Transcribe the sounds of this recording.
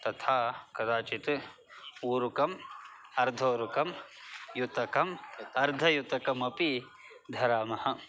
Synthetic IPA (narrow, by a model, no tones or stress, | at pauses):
t̪ɐt̪ʰaːkɐd̪aːt͡ʃit̪ | uːɾukɐmɐɾd̪ʱoːɾukɐmjut̪ɐkɐmɐɾd̪ʱɐjut̪ɐkɐmɐpi | d̪ʱɐɾaːmɐhɐ̆